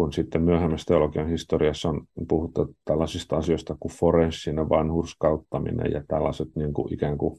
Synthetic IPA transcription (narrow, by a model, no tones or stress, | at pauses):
kunsit̪ːemmyøhemːæst̪eolokiɑnhist̪oriɑsːonpuhut̪ːɑt̪ælːɑsist̪ɑɑsiost̪ɑkuforensinːeʋɑnhurskɑut̪ːɑmḭnḛjɑ̰t̪æ̰lːɑset̪niːŋkṵʔikæːŋku